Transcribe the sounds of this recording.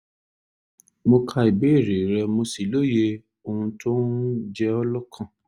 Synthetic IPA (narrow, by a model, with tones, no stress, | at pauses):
mo˧kʰa˧i˨be˨˦i˦˨ɾe˨ɾɛ˧mo˧si˨lo˦je˧ | o˧ũ˧tʰo˦n˦d͡ʒɛ˦ɔ˧lɔ˦kʰã˧˨